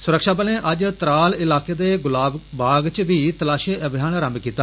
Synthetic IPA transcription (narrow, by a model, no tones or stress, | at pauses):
sʊɾəkʃaːbəlẽːʔəd͡ʒt̪ɾaːlɪlaːkeːd̪eːɡʊlaːbbaːɡt͡ʃʋiːt̪əlaːʃeːəbɪjaːnɾəmkiːt̪aː